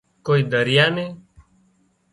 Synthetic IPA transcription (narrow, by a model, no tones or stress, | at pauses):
koːiːd̪əɾɪjaːnẽː